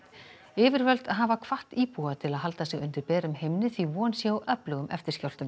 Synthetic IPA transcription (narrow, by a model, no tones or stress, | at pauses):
ɪːvɪɾvœlt̪aðɦaːvakʰvaht̪iːpuat̪ʰɪlaðɦalt̪asɛɣʏnt̪ɪɾpɛːɾʏmhejmnɪθvivɔːnsjawʔœplœɣʏmʔɛ̰ft̪ɪɾ̥scjawl̥t̪ʏm